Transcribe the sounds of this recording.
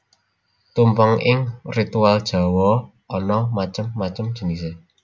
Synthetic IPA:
t̪umpɔŋɪŋrit̪uald̥ʒ̥a̤wɔ | ɔnɔmat͡ʃəmːat͡ʃəmd̥ʒ̥ə̤nise

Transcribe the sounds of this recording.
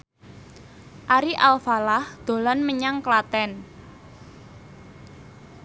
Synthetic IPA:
ʔaɾiʔalfalahd̪̥o̤lɔnməɲaŋklat̪ɛn

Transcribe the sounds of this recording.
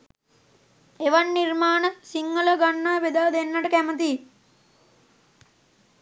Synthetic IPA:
eʋanːirmaːnɐt̪siŋːələɡanːaːʋed̪aːd̪enːaʈəkæmət̪iː

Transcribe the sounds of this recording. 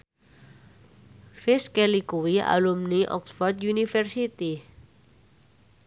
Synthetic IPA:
kɾɪskelikuwia̰lumniʔɔ̰ksfɔrd̪̚junifɛrsit̪i

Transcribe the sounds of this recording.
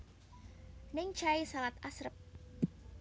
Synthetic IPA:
nɪŋt͡ʃaisalat̪asɾəp̚

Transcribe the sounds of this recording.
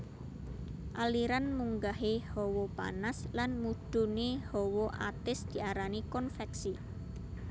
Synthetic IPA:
ʔaliɾanmuŋɡaɦehɔwopa̰naslanmud̪̥ṳnehɔwoʔa̰t̪ɪsd̪̥i̤aɾanikɔnfɛksi

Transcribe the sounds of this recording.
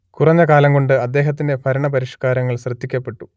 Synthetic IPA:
kurɐɲːɐkaːlɐmɡo̞ɳɖɨɐd̪ːe̞ːɦɐt̪̬ːinde̞pʰɐɾɐɳɐpɐɾiʂkaːɾɐŋːɐɭɕrɐd̪ːikʲːɐpːe̞ʈːu̥

